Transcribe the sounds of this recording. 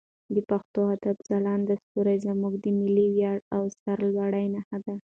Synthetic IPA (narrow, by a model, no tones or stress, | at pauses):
d̪əpaxt̪oad̪abzalɑnd̪ast̪uɾajzamuɡd̪əmɪliwjɑɽawsaɾlwaɽajnahad̪a